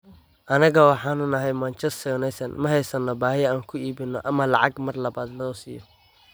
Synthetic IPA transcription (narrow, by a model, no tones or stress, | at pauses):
ʔɐnɐɣɐwɑħɑːnʊnɐɦɛjmant͡ʃʰɛst̪ʰɔnɛjsɐnmɐɦɛjsɐnːɔbaːhɪjaːŋkʰʊiːbɪnːɔʔɐmɐlɑ̰ʕɑɡmɐrlɐβaːd̪lɔːsiːjɔ